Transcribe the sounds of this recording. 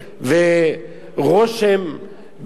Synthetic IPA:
ve | ʁoʃem | b

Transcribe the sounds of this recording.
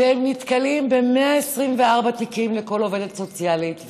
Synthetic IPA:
ehemnit̪kalimbe̞meaesʁimveaʁbat̪ikimleko̞lo̞ve̞det̪so̞t͡sjalit̪v

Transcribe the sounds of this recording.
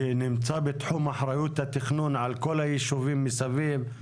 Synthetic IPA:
nɪmt͡sabet̪ħumʔaħɾˤajut̪hat̪ɪxnunʕalkolhajiʃuvimːisaviːv

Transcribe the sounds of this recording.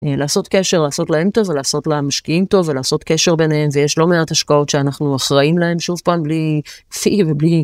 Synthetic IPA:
laːso̞tke̞ʃe̞ʁlaːso̞tlae̞mto̞velaːso̞tlamaʃkiimto̞velaːso̞tke̞ʃeʁbe̞nee̞mvejeʃlo̞meathaʃkao̞tʃeanaχnuaχʁaimlahe̞mʃuvpaːmblifivebli

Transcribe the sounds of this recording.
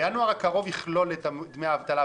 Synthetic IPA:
janoaʁakaʁo̞viχlo̞let̪amid̪meaːvt̪ala

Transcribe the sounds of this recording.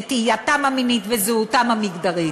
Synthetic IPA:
t̪ijatamaminit̪vezuutamamiɡd̪aʁi

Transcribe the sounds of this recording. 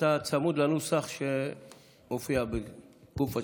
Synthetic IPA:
at͡samud̪lanusaχʃe | mofiabeɡ̥ufa

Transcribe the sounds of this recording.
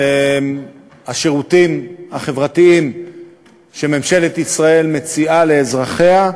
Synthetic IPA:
e | haʃeʁut̪imhaχe̞vʁat̪iim | ʃe̞me̞mʃe̞let̪isʁae̞lme̞t͡siale̞ːzʁaχe̞a

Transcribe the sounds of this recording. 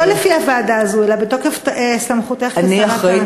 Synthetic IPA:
olefiavaːdaːzuelabetokefteslamχut̪eχansiaʁaʁe

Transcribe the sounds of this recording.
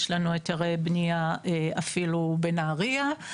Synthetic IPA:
ʃlanuetaʁejbniaeafilubenaːʁia

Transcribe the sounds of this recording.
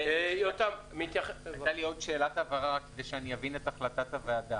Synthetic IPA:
jot̪am | mit̪jaχatalio̞d̪ʃe̞ːlat̪avaʁaakːed̪ejʃeanijavinetaχlat̪at̪avead̪a

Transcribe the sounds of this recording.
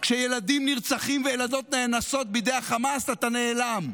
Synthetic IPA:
kʃeje̞lad̪imniʁt͡saχimvejelado̞t̪ne̞naso̞t̪̚bid̪ejaχamasat̪ane̞ːlam

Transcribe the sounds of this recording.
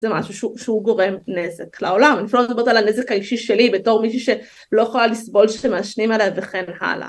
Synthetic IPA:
z̥emʕaʃuʃuʃehuɡoʁemnezekleʕolamniflobot̪alanːezekhaiʃiʃelibet̪oːʁmiʃ̬iʃe | loxolalisbolʃemaʃnimalavexenħa̰la̰

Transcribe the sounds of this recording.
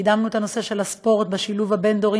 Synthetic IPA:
d̪amnuet̪ano̞se̞ʃe̞laspo̞ʁt̪̚beʃiluvhabe̞nd̪o̞ʁi

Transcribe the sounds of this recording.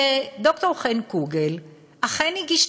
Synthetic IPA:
d̪oktoʁχenkuɡel | ʔaχeniɡiʃ

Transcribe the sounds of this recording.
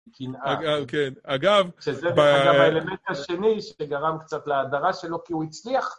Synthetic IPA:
kinʔaaɡakenaɡavʃezedaaamaelement̪aʃe̞niʃeɡaʁamkt͡sat̪leadaʁaʃe̞lo̞kiuit͡sliaχ

